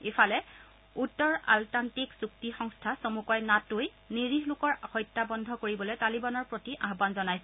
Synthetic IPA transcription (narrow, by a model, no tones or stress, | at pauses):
efʰalɛ | utːɔɹa̰ltantiksuktixɔŋstʰasomukɔjnatʊj | niɹiɦlʊkɔɹxɔjtːabɔndʱɔkoɹibɔlojtalibanɔɹpɹotiʔaɦbanzɔnajsɛ